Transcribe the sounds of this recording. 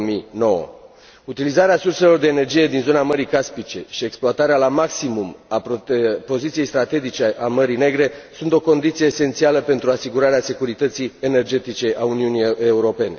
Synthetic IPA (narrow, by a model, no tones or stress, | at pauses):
mino̞wə̰ | ut̪ilizaɾeasurse̞lo̞rd̪e̞ːne̞rd͡ʒije̞d̪inzo̞naməɾikaspit͡ʃe̞ʃieksploat̪aɾealamaksimumappo̞zit̪sije̞jst̪ɾat̪e̞d͡ʒit͡ʃe̞ʔaməɾine̞ɡɾe̞sunt̪o̞ko̞nd̪it̪sije̞ːse̞nt̪sialəpe̞nt̪ɾuasiɡuɾaɾease̞kuɾit̪ət̪sije̞ne̞rd͡ʒe̞t̪it͡ʃe̞ʔauniunieuɾo̞pe̞ne̞̰